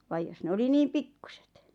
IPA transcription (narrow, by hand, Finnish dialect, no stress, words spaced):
ʋɑj jos ne oli niːm pikːu̥se̥t